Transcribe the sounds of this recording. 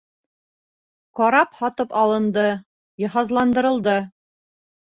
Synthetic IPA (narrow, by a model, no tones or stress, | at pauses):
qɒɾɑphɒt̪ɤpɑlˠɤ̆nd̪ɤ | jɒ̆ɦɑzlˠɑnd̪ɤ̆ɾɤ̆lˠd̪ɤ